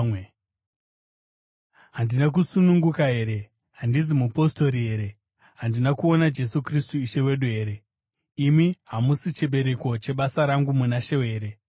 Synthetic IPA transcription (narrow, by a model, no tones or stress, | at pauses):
ɦandinak̬usunuŋɡukaɦe̞ːɾe̞ | ɦandizimupo̞sto̞ɾiɦe̞ːɾe̞ | ɦandinakuo̞nad͡ʒe̞sukristuiʃe̞we̞ɗuɦe̞ːɾe̞ | imiɦamusit͡ʃe̞ɓe̞ɾe̞ko̞t͡ʃe̞ɓasaɾaŋɡumunaʃe̞we̞ːɾe̞